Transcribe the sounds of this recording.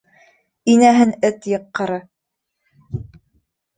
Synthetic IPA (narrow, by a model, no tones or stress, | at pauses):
inæɦɘnɘt̪jɤ̆qːɤ̆ɾɤ